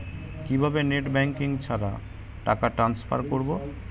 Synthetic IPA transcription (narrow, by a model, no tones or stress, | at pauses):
kibʱabeneʈbɛŋkiŋt͡ɕʰaɾa̰ | ʈakaʈɾanspʰa̰ɾkoɾbo